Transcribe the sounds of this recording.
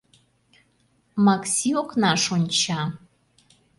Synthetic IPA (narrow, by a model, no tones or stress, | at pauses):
mɑksʲioknɑʃonʲt͡ɕɑ